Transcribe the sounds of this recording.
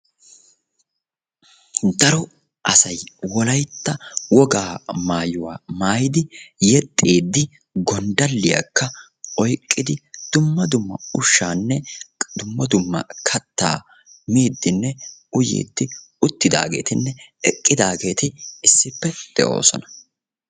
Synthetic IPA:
d̪ɐɾɔ | ʔɐsɐjwɔlɐjt̪ːɐwɔɡaːmaːjʊwa̰ːmaːjɪd̪ɪjɛt̪ʼːeːd̪ːɪ | ɡɔnd̪ɐlːɪja̰kːɐ | ʔɔjkʼːɪd̪ɪd̪̥ʊmːɐd̪ʊmːɐʊʃːaːnːɛd̪ʊmːɐd̪ʊmːɐ̰kʰɐt̪ːa̰ː | miːd̪ːɪnːɛʊjḛːd̪ːɪ | ʊt̪ːɪd̪a̰ːɡe̞̰ːt̪ɪnːɛɛkʼːɪd̪aːɡe̞ːt̪ɪɪsːɪpːɛd̪̥ɛ̰ʔo̞̰ːsɔ̰nɐ̥

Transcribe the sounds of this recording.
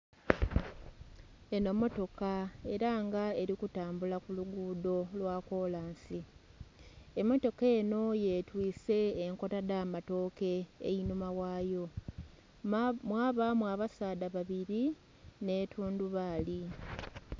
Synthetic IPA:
e̞no̞mo̞to̞kae̞ɾaŋɡae̞ɾikutaːmbulakuluɡuːdo̞lwaːko̞laːnsi | emo̞to̞keːno̞je̞twiːse̞ːŋko̞tadaːmato̞ːke̞̰ːjinumawaːjo̞ | mwaːβamwaβasaːdaβaβiɾi | ne̞ːtʰuːnduβaːli

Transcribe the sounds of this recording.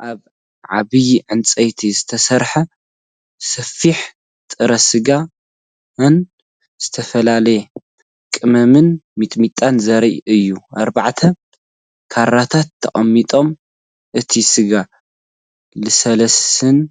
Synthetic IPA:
ʔaβ | ʕaβɨjʕɨnt͡sʼɐjt̪ʰizɨt̪ʰɐsɐɾħɐ | sɐfiħ | t̪ʼɨɾɐsɨɡa | n | z̥ɨt̪ʰɐfɐlalɐje | kʼɨmɐmɨnmit̪ʼmit̪ʼanzɐɾɐʔɨjːuaɾbaʕt̪ʰɐ | kʰaɾːat̪ʰat̪ʰːɐ̰χʼɐmːit̪ʼo̞m | ʔɨt̪ʰisɨɡa | lɨsɐlɐsɨn

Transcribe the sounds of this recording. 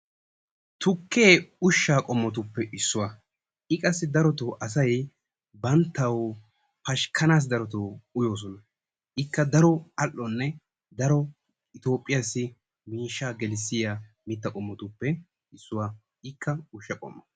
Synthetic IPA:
t̪ʊkʰːeːʊʃːaːkʼɔmːɔt̪ʊpːɛʔɪsːʊwɐ | ʔɪkʼɐsːɪd̪ɐɾɔt̪oʔɐs̬ɐj | bɐnt̪ːɐw | pɐʃkʰːɐnaːs̬d̪ɐɾɔt̪oːʊjo̞ːs̬ɔnɐ | ɪkːɐd̪ɐɾɔɐlːɔnːɛ | d̪ɐɾɔ | ɪt̪o̞ːpʼːɪjasːɪ | miːʃːaːɡɛlɪsːɪja | mɪt̪ːɐkʼɔmːɔt̪ʊpːɛ | ɪsːʊwaː | ɪkʰːɐʊʃːɐkʼɔ̰mːɐ

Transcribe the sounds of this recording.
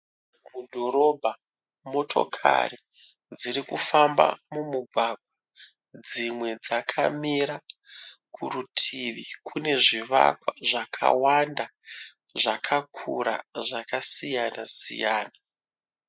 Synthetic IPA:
mudʱo̞ɾo̞bʱa | mo̞tʰo̞̰kʰa̰ri | d͡ziɾikufamba̰mumuɡʱwaɡ̚ʱwa | d͡zimwe̞d͡zakʰa̰miɾa | kʰurutʰiʋikʰune̞ʐiʋa̰kwaʐakʰa̰wanda | ʐakʰakʰuɾa̰ʐakasijana̰sḭja̰ːna

